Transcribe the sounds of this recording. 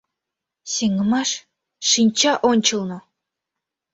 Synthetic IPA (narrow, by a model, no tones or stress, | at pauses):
seŋə̆mɑʃ | ʂinʲt͡ɕɑʔonʲt͡ɕɤ̆lˠnŏ